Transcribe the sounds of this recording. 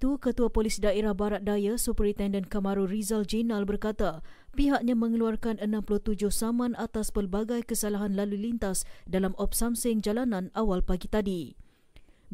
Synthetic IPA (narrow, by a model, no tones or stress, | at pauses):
t̪ukət̪uapolisdaeɾahbaɾat̪̚dajasupɾit̪ɛndənkamãɾurizald͡ʒinalbərkat̪a | piɦaʔɲãmə̃ŋəluarkanənãmpulʊht̪ud͡ʒʊhsamãnat̪aspərbaɡajkəsalaɦanlalulint̪asdalamʔɔp̚samsɪŋd͡ʒalanãnawalpaɡit̪adi